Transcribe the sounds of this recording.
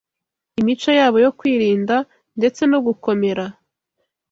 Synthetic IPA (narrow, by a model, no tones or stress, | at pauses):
imit͡ʃojaːβo̞jo̞kwiːɾiːnda | nde̞t͡se̞noɡuko̞me̞ɾa